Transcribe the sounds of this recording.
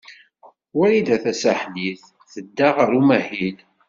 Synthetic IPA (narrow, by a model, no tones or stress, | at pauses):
wæɾid̪æθæsæħdiθ | θəd̪ːaʁəɾumæhil